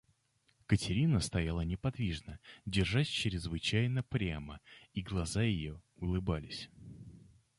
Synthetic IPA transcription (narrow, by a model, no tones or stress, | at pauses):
kətʲɪɾʲinəst̪ɐjalˠənʲɪpɐd̪vʲiʐnədʲɪrʐatʲt͡ɕɪɾʲɪzvɨt͡ɕæjnəpɾʲaməiɡlˠɐzajɪjoʊlˠɨbalʲɪsʲ